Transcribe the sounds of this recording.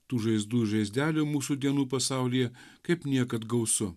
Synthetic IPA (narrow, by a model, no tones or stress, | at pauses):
t̪uːʒɐɪzd̪uːʒɐɪzʲd̪ʲæːlʲʊːmuːsud̪ʲiɛnuːpɐsɑˑʊlʲijɛ | kɐɪpnʲiɛkɐt̪ɡɐʊsʊ